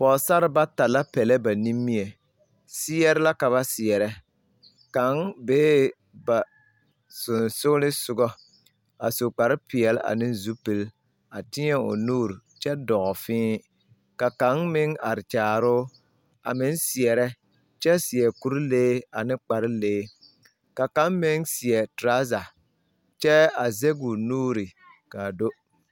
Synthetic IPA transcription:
pɔː˨sa˦ɾɪ˦ba˦ta˨la˦pɛ˨lɛ˦ba˨ni˦mːi˦ɛ˨ | sɪ˦ɛ˦ɾɪ˦la˦ka˨βa˦sɪ˨ɛ˨ɾɛ˦ | ka˨˦ŋbeː˦ | ba˨ | sʊ˨nsʊ˦lɪ˦sʊ˨ɡɔ˦ | a˨so˨k͡pa˨ɾɪ˦pɪ˨ɛ˨la̰˨nɪ˦n˦zu˦pɪ˨l | a˨tɪ˦ɲɛ˦o̰˨nuː˦˨ɾt͡ʃɛ˦dɔ˨ʔɔ˨fɪ̃ː˦ | ka˨ka˨˦ŋmɪ˦ŋa˨ɾɪ˨t͡ʃaː˨ɾʊː˦ | a̰˨mɪ˦nsɪ˨ɛ˨ɾɛ˦ | t͡ʃɛ˦sɪ˨ɛ˨ku˦ɾleː˦a˨nɪ˦k͡pa˨ɾɪ˦leː˦ | ka˨ka˦mmɪ˦ŋsɪ˨ɛ˨tɾa˦za˨ | t͡ʃɛ˦a˨zɛ˦ɡu˨nuː˦ɾi˨ | ka˨do˦

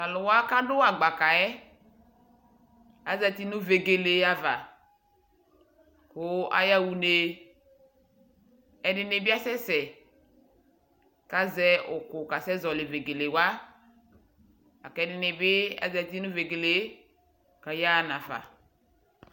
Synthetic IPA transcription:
a˨lʊ˨wa˦ka˦dʊ˦a˨ɡ͡ba˨ka˨ɛ˦ | a̰˨zɛ˨t̪i˦nʊ˦ve˨ɡe˨le˨˦a˨va˨ | kʊ˨˦a̰˦ja˦˨wu˨ne˨ | ɛ˨nɪ˨nɪ˨bɪ˦a˦sɛ˦sɛ˨ | ka˨zɛ˦ʔʊ˨kʊ˨ka˨sɛ˦zɔ˨lɪ˨ve˨ɡe˨le˨wa˦ | a̰˨kɛ˨˦nɪ˨nɪ˨bɪ˦a̰˨zɛ˨ti˦nʊ˦ve˨ɡe˨le˦ | ka˨ja˦˨nã˨fa̰˨

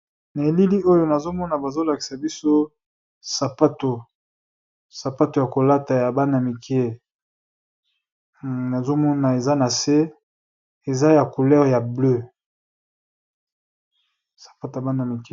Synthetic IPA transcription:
na˨e˨li˦li˦ʔo˦jo˦na˨zo˦mɔ˦na˨ba˨zo˦la˨ki̥˨sa˨bi˦so˦ | sa˨pa˦to˨ | sa˨pa˦to˨ja˨ko˨la˦ta˨ja˨ba˦na˨mi˨kʰi˦e˦ | na˨zo˦mɔ˦na˨e˨za˦na˨se˦ | e˨za˦ja˨ku˨lɛ˦ʁja˨blø˦ | sḁ˨pa˦to˨ja˨ba˦na˨mi˨ke˦

